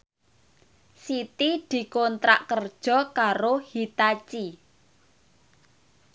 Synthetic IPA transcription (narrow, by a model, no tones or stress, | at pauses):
sit̪id̪̥i̤kɔnt̪ɾa̰ʔkərd̥ʒ̥ɔ̤kaɾohit̪at͡ʃi